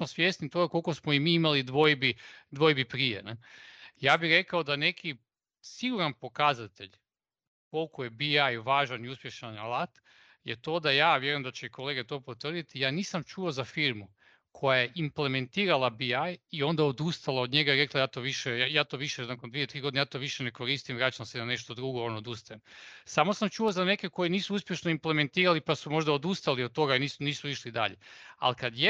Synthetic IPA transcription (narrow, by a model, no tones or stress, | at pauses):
mosʋje̞ːsnit̪oɡako̞lˠkosmoimiːimalid̪ʋo̞jbid̪ʋo̞jbipɾijḛnejaːbixɾe̞kaod̪ane̞kʰi | siɡuɾanpo̞kazat̪e̞̰ʎ | ko̞lˠkoje̞biajʋaːʒaniuspje̞ʃanalat̪ | jḛt̪o̞ːd̪ajaːʋje̞ɾojemd̪at͡ɕeiko̞leːɡet̪o̞ːpot̪ʋr̩d̪it̪ijaːniːsamt͡ʃuozafiɾmu | kʰo̞jajeʔimple̞me̞nt̪iːɾalabiajio̞nd̪aod̪ust̪alaod̪ɲe̞ɡaiɾe̞klajaːt̪o̞ʋiʃeajaːt̪o̞ʋiʃenakond̪ʋiet̪ɾiːɡonjaːt̪o̞ʋiʃene̞ko̞ɾist̪imʋɾat͡ɕamsenane̞ʃt̪o̞d̪ɾuɡoonood̪ust̪ajemsamo̞samt͡ʃuozane̞ke̞ko̞jeniːsuuspje̞ʃnoimple̞me̞nt̪iːɾalipasumo̞ʒd̪aod̪ust̪aliod̪̚t̪o̞ɡainiːsuniːsuiʃlid̪a̰ʎḛa̰likad̪je